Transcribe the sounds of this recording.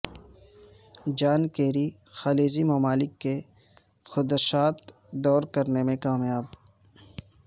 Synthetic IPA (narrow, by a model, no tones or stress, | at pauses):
d͡ʒaːnkeːɾi | xaːleːzimɐmaːlɪkːe | xʊd̪ʃaːt̪ | d̪ɔːɾkɐɾnemẽkaːmjaːb